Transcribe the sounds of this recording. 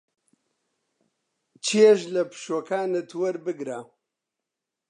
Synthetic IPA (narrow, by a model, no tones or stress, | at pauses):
t͡ʃʰieʃlɐpʰɨ̥ʃoːkʰaːnɨt̪ʰwɐɾbɨɡɾa